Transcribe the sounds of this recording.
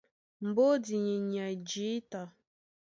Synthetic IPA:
m̩˨bo˦di˨ɲi˨ɲa˨d͡ʒi˨˦ta˨

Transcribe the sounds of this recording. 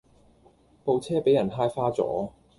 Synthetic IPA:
po˧wt͡sʰɛː˥pe˨˥jɐ˨˩nɦaː˥jfaː˥t͡sɔ̰ː˨˥

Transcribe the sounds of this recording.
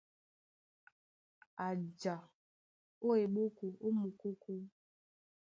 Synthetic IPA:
a˨d͡ʒa˨ | o˦e˨ɓo˦ko˨ʔo˦mu˨ko˦ko˦

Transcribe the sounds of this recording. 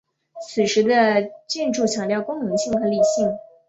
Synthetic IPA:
t͡sʰɹ̩˨˩ʂɻ̩˧˥d̪ə˧t͡ɕɛ˥˧nʈ͡ʂu˥˩t͡ɕʰjɑ˨˩ŋt̪jɑ˥˩ʊkʊ˥ŋnɤ˧˥ŋɕi˥˩ŋxɤ˧˥li˨˩ɕi˥˩ŋ

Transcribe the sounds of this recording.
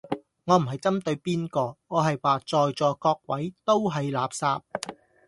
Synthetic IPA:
ŋɔː˨˧m̩˨˩ɦɐ˨jt͡sɐ˥mt̪ɵ˧ɥpiː˥nkɔː˧ŋɔː˨˧ɦɐ˨jwaː˨˧t͡sɔː˨jt͡sɔː˨˧kɔː˧k̚wɐ˨˥jt̪o˥wɦɐ˨jlaː˨p̚saː˧p̚

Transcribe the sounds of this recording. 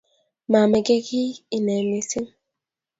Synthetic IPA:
ma˨mɛ˨ɡe˦ɡi˦i˨nɛ˨mi˨si˦m

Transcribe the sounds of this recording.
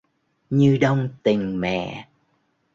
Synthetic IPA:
ɲɨ˧ɗə˧wŋ͡mt̪ï˨˩ŋ̟mɛ̰˧˨

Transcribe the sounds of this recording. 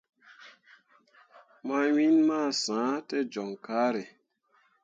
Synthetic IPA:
ma˦wi˦nmaː˦˨sãː˨˦tɛ˦d͡ʒɔ˨ŋkaː˦ɾe˨

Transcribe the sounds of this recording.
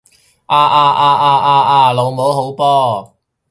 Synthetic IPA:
ʔaː˧ʔaː˧ʔaː˧ʔaː˧ʔaː˧ʔaː˧lo˨˧wmo˨˥wɦo˨˥wpɔː˥

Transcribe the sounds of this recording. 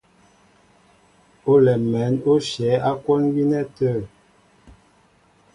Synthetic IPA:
o˦lɛ˨mɛ˨˦no˦ʃjɛ˨˦a˦ko˦nɡi˦nɛ˦tə˦˨

